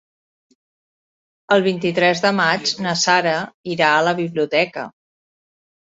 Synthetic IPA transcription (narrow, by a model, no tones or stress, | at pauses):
əlˠβint̪it̪ɾɛzðəmad͡ʒnəsaɾəiɾaələβiβliut̪ɛkə̰